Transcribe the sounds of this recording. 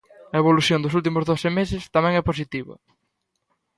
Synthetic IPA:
ɐeβ̞oluθjond̪ʊs̬ult̪̬imʊzðoθɪmes̬ɪst̪amɛ̃ŋɛpos̬it̪iβɐ̰

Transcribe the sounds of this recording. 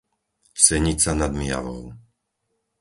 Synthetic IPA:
sɛɲit͡sanad̪mɪa̰ʋɔ̰ʊ

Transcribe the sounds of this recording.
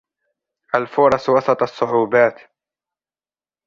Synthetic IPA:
ʔalfʊɾˤɑswɑsˤɑt̪ˤɑsˤːʊʕuːbaːt̪

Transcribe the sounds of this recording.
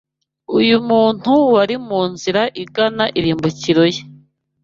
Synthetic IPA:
ujumuːn̥huwaɾimuːnziɾaʔiɡanaʔiɾiːmbuciɾoje

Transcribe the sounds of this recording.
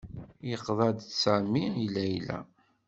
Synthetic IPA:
jəqðˤɑd̪sæmiilæjlæ̰

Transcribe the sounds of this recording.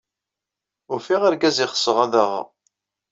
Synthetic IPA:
ʊɾfiʁaɾɡæzɪχə̥sːəʁæðəʁ

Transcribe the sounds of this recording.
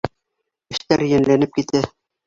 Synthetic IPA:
ɘ̆ʃt̪æɾjæ̆nlænɘp̚kit̪ɘ

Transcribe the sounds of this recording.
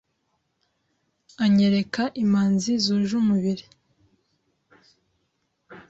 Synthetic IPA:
aɲeɾekaʔimaːnzizuːʒumuβiɾi

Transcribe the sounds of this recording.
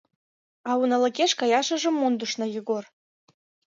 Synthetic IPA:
ɑunɑ̆lə̆keʃkɑjɑʃə̆ʒə̆mːond̪uʃnɤ̆jɤɣor

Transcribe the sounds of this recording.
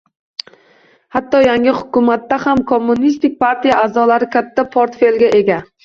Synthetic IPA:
hat̪ːɒjaŋɪhʊkʊmat̪ːahamkʰomːʊnist̪ɪk̚ʲpʰaɾt̪ijaʔazɒlaɾɪkʲʰat̪ʰːapʰoɾt̪fe̞lɡʲaʔe̞ɡʲa

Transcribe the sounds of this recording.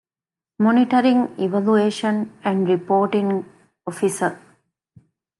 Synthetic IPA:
mɔniʈəɾĩŋiʋælueːʃə̃næ̃ɳɖɾipoːʈĩŋ | ɔfisəɾ

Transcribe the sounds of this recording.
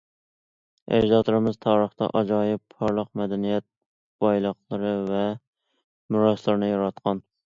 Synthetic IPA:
ʔḛɾʒɑt̪ʰˠɨɾɪmɪzt̪ʰɑːɾəχt̪ɑ̰ʔɑd͡ʒɑjɪpːʰɑɾlˠəq̚mɛd̪ɛnijɛt̪̚ | b̥ɑjlˠəqlˠɨɾɨvɛ | mʊɾɑslˠɨɾnɪjɑɾɑt̪̚qʰɑn

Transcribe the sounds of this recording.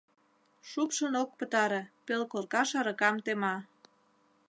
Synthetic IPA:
ʃupʃənok̚pə̆t̪ɑɾepelkorkɑʃɑɾəkɑmt̪emɑ

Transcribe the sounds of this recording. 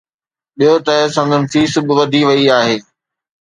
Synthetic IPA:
ɓijot̪ɐɦsɐ̃nd̪ʱənɪfiːsbɪʋɐd̪ʱiʋɐiaːɦeː

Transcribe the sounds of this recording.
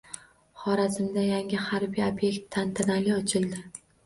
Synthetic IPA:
χɒɾazɪmd̪ajaŋʲɪhaɾbijobje̞kt̪ʰːant̪ʰanalɪɒt͡ʃʰɪlˠd̪ɪ

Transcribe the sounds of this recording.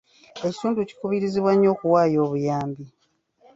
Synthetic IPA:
e̞ci̥tuːnduci̥kuβiɾiziβwaɲːo̞ːkuwaːjo̞ːβujaːmbi

